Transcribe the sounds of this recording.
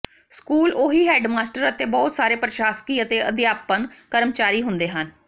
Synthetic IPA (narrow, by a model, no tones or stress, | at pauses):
skuːloːɦiːɦɛːɖmaːsʈəɾət̪eːbɔːt̪saːɾeːpɾəʃaːskiːət̪eːəd̪ɪjaːpənkəɾmt͡ʃaːɾiːɦʊnd̪eːɦən